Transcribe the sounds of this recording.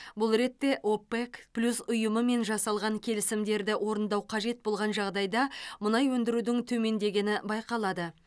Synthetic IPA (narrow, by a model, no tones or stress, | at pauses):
bʊlˠɾe̞t̪ːe̞ʔopːekplʲusʊjəməme̞nʒɑsɑlˠʁɑŋkʲʰe̞lɪsɪmd̪e̞ɾd̪ɪwo̞ɾənd̪ɑwqʰɑʒe̞t̪̚bo̞lˠʁɑnʒɑʁd̪ɑjd̪ɑmʊnɑjwɵnd̪ɪɾud̪ɪŋt̪ʰɵme̞nd̪e̞ɡʲe̞nɪbɑjqɑlˠɑd̪ə